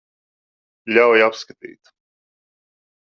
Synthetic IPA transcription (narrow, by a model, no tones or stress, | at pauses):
lʲawjapskat̪ḭːt̪